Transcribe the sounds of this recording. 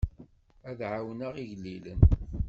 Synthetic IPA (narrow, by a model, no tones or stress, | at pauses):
æðʕawnəʁiʝlːilən